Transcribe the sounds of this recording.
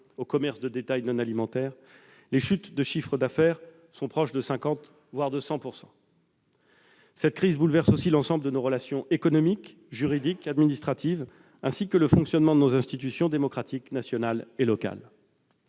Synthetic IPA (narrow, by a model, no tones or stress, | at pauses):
okɔmɛʁsd̪əd̪et̪ajnɔ̃nalimɑ̃t̪ɛːʁ | leʃyt̪d̪əʃifχəd̪afɛʁ | sɔ̃pχɔʃd̪əsɛ̃kɑ̃t̪ | vwaʁd̪əsɑ̃puʁsɑ̰̃ | sɛt̪kχizbulvɛʁsosilɑ̃sɑ̃bləd̪ənoʁəlasjɔ̃ʔekɔnɔmik | ʒyʁid̪ikad̪minist̪χat̪ʰiv | ɛ̃sikələfɔ̃ksjɔnmɑ̃d̪ənozɛ̃st̪it̪̬ysjɔ̃d̪emɔkχat̪iknasjɔnalelɔka̰l